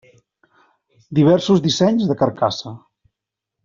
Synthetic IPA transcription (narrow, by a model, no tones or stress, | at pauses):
d̪iβ̞ɛɾsuzðisɛɲzðəkəɾkasə